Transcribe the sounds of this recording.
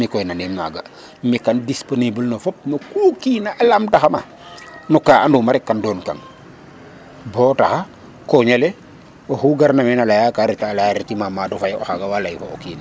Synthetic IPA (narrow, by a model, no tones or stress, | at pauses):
mikɔjnaninma̰ɡa̰ | mikandisponibəlnofɔp̚mokukinaʔalamtaxama | nukaːʔandumaɾɛkːandoːnka̰ŋ | bɔːtaxa | koɲale | oxuɡaɾnamɛnalajakaɾitalaaɾitimamadɔfajɔ̰xaɡawalajfookiːn